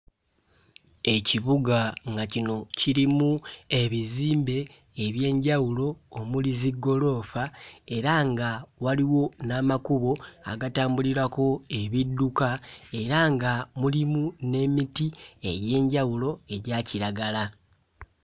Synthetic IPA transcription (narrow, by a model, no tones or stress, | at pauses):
e̞ciβuɡaŋɡacino̞ciɾimue̞βiziːmbe̞ː | βje̞ːɲɟawulo̞ːmuliziɡo̞lo̞ːfae̞ɾaŋɡawaliwo̞naːmakuβo̞a̰ɡataːmbuliɾako̞e̞βidːukae̞ɾaŋɡamulimune̞mitiḛɟe̞ːɲɟawulo̞e̞ɟaciɾaɡala